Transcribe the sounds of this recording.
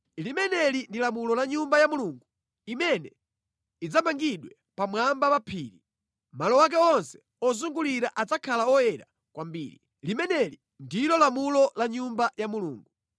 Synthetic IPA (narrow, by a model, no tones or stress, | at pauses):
limɛnɛlindilamulɔlaɲumbajamuluŋɡu | imɛnɛ | id͡zamaŋɡiɗwɛ | pamwambawapʰiːɾi | malɔwak̬ɛɔnsɛ̥ | ɔzuŋɡuliɾaʔad͡zakʰalaɔjɛɾa | kwambḭːɾi | limɛnɛli | ndilɔlamulɔlaɲumbajamuluːŋɡu